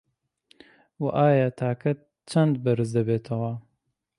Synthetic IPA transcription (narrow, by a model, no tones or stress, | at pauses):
waʔaːjaːt̪ʰaːkʰɐt̪̚ | t͡ʃʰɐnd̪bɐɾɨzd̪ɐbeːt̪ʰɐwaː